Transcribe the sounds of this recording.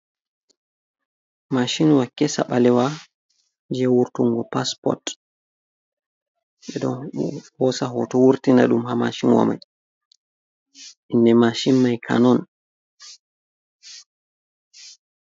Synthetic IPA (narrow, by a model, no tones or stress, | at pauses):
maʃinwakːɛsa̰ɓalɛwa | d͡ʒɛwuɾtuŋɡɔpaspɔ̰t | ɓɛɗɔ̰nhɔsaɦɔtɔwuɾtina̰ɗumhama̰ʃinwa̰ma̰j | ʔindɛmaʃinmajkʰa̰nɔn